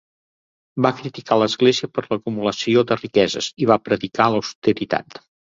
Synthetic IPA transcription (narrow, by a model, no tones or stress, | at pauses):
bakɾit̪ikʰaləzɣleziəpəɾləkumuləsiod̪ərikɛzə̰ziβ̞apɾəðikaləwst̪əɾit̪a̰t̪